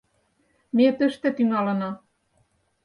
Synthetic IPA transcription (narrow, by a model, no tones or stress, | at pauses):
met̪ə̆ʃt̪ĕt̪yŋɑlɤ̆nɑ